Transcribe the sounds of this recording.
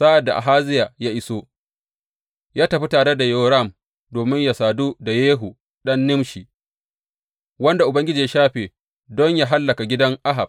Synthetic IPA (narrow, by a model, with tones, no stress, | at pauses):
sa˦ʔa˨dːa˨ʔa̰˨ɦaː˦zɪ˦jaː˨ja˦ʔɪ˦soː˦ | jaː˦tɐ˨ɸi˦taː˨ɽe˦da˨joː˦ɾa˦˨m | doː˨mɪ˦ɲja˨saː˨du˦da˨jeː˦ɦu˨ | ɗɐ˦nːɪ˦mʃi˨ | wɐ˦nda˨ʔʊ˨bɐ˦ŋɡʲɪ˦d͡ʒiː˨ja˦ʃaː˦ɸeː˨ | dɔ˦ɲja˦ɦa˦lːɐ˨ka˨ɡʲɪ˦dɐ˦ŋʔa˦ɦa˨b̚